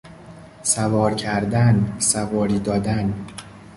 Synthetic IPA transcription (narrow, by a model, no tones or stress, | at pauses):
sævɒːɾcʰæɾd̪ænsævɒːɾiːd̪ɒːd̪æn